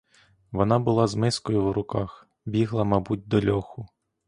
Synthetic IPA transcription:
ʋɔnɑbʊlˠɑzmɪskɔjʊwɾʊkɑx | bʲiɦlˠɐmɐbut̚ʲd̪ɔlʲɔxʊ

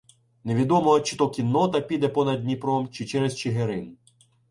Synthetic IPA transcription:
neʋʲid̪ɔmɔɦɔt͡ʃɪ̥t̪ɔkʲinːɔt̪ɐpʲid̪ɛpɔnɐd̪ʲnʲipɾɔmt͡ʃɪt͡ʃɛɾezt͡ʃɪɦeɾɪn

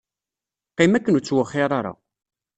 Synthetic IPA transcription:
qːɪmækːənut͡sːwəχːɪɾˤaɾˤa̰

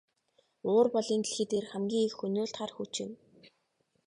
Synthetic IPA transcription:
ʊːrpɔɮiːnt̪iɮxeːt̪eːrxæmɡʲiːŋxxɵnʲoːɮt̪χarxut͡ɕɪ̆n

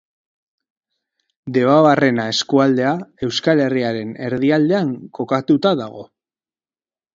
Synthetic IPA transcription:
d̪e̞βaβare̞nae̞skuald̪e̞ae̞wskale̞riaɾe̞ne̞ɾðiald̪e̞aŋko̞kat̪ut̪aðaɣ̞o̞

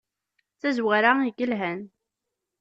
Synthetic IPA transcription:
θæzwaɾaiɡəlɦæn

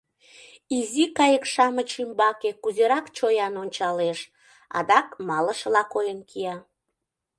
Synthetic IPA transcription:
izikɑjəkʃɑmət͡ɕimbɑkekuzeɾɑkt͡ɕojɑnonʲt͡ɕɑleʃ | ɑ̰d̪ɑkmɑləʃəlɑkojənkʰiɑ

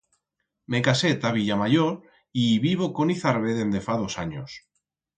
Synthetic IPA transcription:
mekaset̪aβiʎamaʝoɾ | iβiβ̞okoniθaɾβeðend̪efaðosa̰ɲos

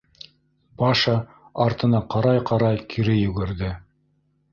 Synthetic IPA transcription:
bɑʃɑ | ɑɾt̪ɤ̆nɑqɑɾɑjqɑɾɑjkʰiɾɘjɵ̆ɡɘ̆ɾðɘ

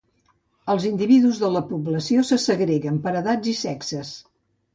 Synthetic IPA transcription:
əlˠzind̪iβiðuzðələpuβləsiosəsəɣɾeɣəmpəɾəðad͡zisɛksəs

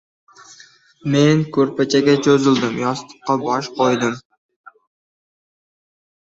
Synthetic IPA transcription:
me̞nkʲʰɵɾpat͡ʃʰaɡʲat͡ʃʰozɪld̪ɪmjɒst̪ʰɨ̥qqːɑbɒʃqʰojd̪ɪm

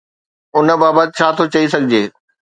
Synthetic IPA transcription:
ʊn̆baːbət̪̚t͡ɕʰaːt̪ʰot͡ɕɐisɐɡʱɪd͡ʑeː

